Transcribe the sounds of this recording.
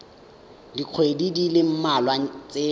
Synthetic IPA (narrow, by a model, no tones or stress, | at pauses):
diq͡χʰwedidilɪm̩malwat͡sʼe